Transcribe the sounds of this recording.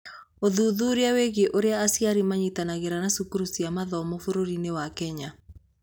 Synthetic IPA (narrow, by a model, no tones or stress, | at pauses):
oðuðuɾeaweɣeʔoɾeaːsiaɾimaɲitanaɣeɾanasukuɾusiamaðɔmofoɾoɾinewakɛɲa